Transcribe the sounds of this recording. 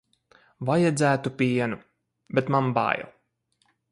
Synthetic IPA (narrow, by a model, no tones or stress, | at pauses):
vajad̪zæːt̪upʲiɛnu | bʲɛt̪mamba̰ːjɔ̰